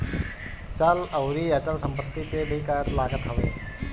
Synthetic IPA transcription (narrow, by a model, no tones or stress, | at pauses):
t͡ʃalɐwɾijɐt͡ʃəlsəmpət̪ːipebʱikajət̪laːɡət̪ɦɐʋḛː